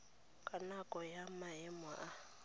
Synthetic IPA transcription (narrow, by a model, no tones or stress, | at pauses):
kʼanakʼɔjamaɛma̰ʔa